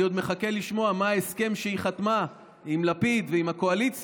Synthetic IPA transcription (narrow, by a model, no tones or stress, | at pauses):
jod̪meχake̞liʃmo̞amaaeske̞mʃeiχat̪ma | imlapid̪veimhako̞alit͡s